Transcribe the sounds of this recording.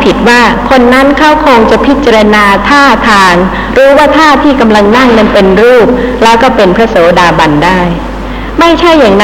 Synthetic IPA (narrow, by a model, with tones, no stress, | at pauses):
pʰi˨˩t̪̚waː˥˩kʰo˧nːa˦˥nkʰa˥˩wkʰoː˧ŋt͡ɕa˨˩pʰi˦˥t̪̚t͡ɕa˧ɾa˧naː˧t̪ʰaː˥˩t̪ʰaː˧ŋ | ɾuː˦˥waː˥˩t̪ʰaː˥˩t̪ʰiː˥˩ka˧mla˧ŋna˥˩ŋːɤ˧npe˧nɾuː˥˩p̚lɛː˦˥wkɔː˥˩pe˧npʰɾa˦˥soː˩˦daː˧ba˧ndaː˥˩j | ma˥˩jt͡ɕʰa˥˩jːaː˨˩ŋn˦